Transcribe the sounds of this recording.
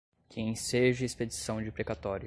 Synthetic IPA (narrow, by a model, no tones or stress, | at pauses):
kẽj̃seʒɐesped͡ʒisɐ̃w̃d͡ʒɪpɾekat̪ɔɾjʊ